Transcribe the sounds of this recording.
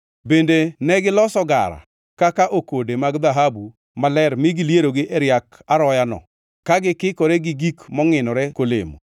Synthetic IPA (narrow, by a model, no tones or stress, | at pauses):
bendenɛɡɪlɔsɔɡa̰ɾa̰ | kakaʔokodemaɡd̪aɦabu | malɛɾmɪɡɪljeɾoɡɪʔɛɾjakaɾɔjanɔ̰ | kaɡɪkɪkoɾeɡɪɡikmɔŋɪnɔɾɛkolḛmo̰